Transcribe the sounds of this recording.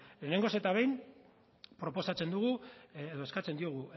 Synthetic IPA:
le̞ne̞ŋɡo̞se̞t̪aβe̞jn | pɾo̞po̞sat͡se̞nd̪uɣueðo̞e̞skat͡se̞nd̪io̞ɣ̞u

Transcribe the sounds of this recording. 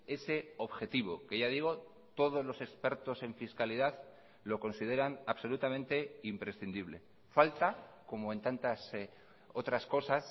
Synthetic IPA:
e̞se̞o̞βxe̞t̪iβ̞o̞ke̞ʝaðiɣ̞o̞ | t̪o̞ð̞o̞zlo̞se̞kspe̞ɾt̪o̞se̞ɱfiskaliðað | lo̞ko̞nsið̞e̞ɾanaβso̞lut̪amẽnt̪e̞impɾe̞sθind̪iβ̞le̞ | falt̪ako̞moe̞nt̪ant̪as | o̞t̪ɾasko̞sas

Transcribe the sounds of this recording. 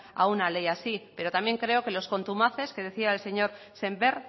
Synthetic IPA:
a̰unale̞jasipe̞ɾo̞t̪amje̞ŋkɾe̞oke̞lo̞sko̞nt̪umaθe̞ske̞ð̞e̞θiaelse̞ɲo̞ɾ | se̞mbe̞ɾ

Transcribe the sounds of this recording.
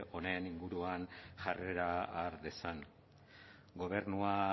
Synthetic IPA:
o̞ne̞niŋɡuɾuanʝare̞ɾaːɾðe̞san | ɡo̞β̞e̞rnua

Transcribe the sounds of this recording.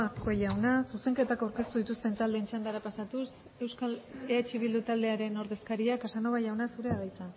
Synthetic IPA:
kʰo̞jawnasuse̞ŋke̞t̪akawɾke̞st̪uðit̪ust̪e̞nt̪ald̪eːnt͡ʃand̪aɾapasat̪us | e̞wskaleat͡ʃiβild̪ut̪ald̪eaɾe̞no̞ɾðe̞skaɾiakasano̞βajawnasuɾe̞aðajt͡sa

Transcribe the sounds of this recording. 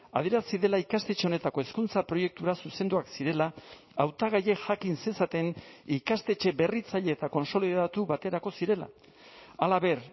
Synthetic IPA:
a̰ð̞jeɾasiðe̞laikast̪e̞t͡ʃe̞o̞ne̞t̪ako̞e̞skunt͡sapɾo̞je̞k̚t̪uɾasuse̞nd̪uaksiɾe̞laː | wt̪aɣ̞aje̞ʝakinse̞sat̪e̞nikast̪e̞t͡ʃe̞be̞rit͡saʎe̞ːt̪ako̞nso̞liðat̪uβat̪e̞ɾako̞siɾe̞la̰ | alaβe̞ɾ

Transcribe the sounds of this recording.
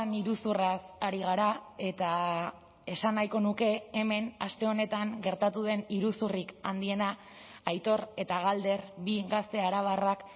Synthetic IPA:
niɾusurasaɾiɣ̞aɾae̞t̪a | e̞sanːajko̞nuke̞ːme̞nast̪e̞o̞ne̞t̪aŋɡe̞ɾt̪at̪uðe̞niɾusurika̰nd̪ie̞naː | jt̪o̞ɾe̞t̪aɣald̪e̞ɾbiɣast̪e̞aɾaβ̞arak

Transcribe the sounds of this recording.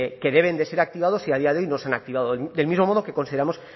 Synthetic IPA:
ke̞ðe̞β̞e̞nd̪e̞se̞ɾak̚t̪iβaðo̞siaðiaðe̞o̞jno̞seanak̚t̪iβ̞aðod̪e̞lmizmo̞mo̞ðoke̞ko̞nsiðeamo̞s

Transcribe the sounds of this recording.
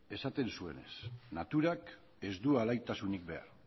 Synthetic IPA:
e̞sat̪e̞nsue̞̰ne̞̰snat̪uɾak | e̞zd̪ualajt̪asunik̚be̞a̰ɾ

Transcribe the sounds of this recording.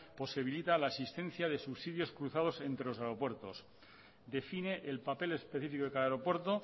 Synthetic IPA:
po̞siβilit̪alaesist̪ẽ̞n̟θjaðe̞suβsiðjo̞skɾuθað̞o̞se̞nt̪ɾe̞lo̞s̬aeɾo̞pwe̞ɾt̪o̞̰s | d̪e̞fine̞ʔelpape̞le̞spe̞θifikoðekalaɾo̞pwe̞ɾt̪o

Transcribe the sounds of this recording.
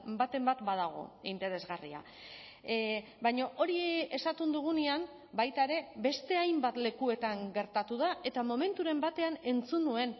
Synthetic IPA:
bat̪e̞mbat̪bað̞aɣ̞o̞̰int̪e̞ɾe̞zɣarḭa̰ | bajɲoʔo̞ɾie̞sat̪und̪uɣ̞uneam | bajt̪aeɾe̞βe̞st̪e̞ajmbat̪le̞kue̞t̪aŋɡe̞ɾt̪at̪uð̞aʔe̞t̪amo̞me̞nt̪uɾe̞mbat̪e̞ane̞nt͡sunue̞n

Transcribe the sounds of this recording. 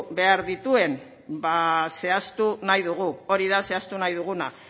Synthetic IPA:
be̞aɾðit̪ue̞n | base̞ast̪unajðuɣ̞uo̞ɾiðase̞ast̪unajðuɣ̞una̰

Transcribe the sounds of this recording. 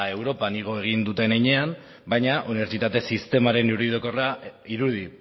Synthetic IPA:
ae̞wɾo̞paniɣ̞o̞e̞ɣ̞ind̪ut̪e̞nejɲe̞am | bajɲaʔuniβe̞ɾt͡sit̪at̪e̞sist̪e̞maɾe̞nuɾiðokoraiɾuði

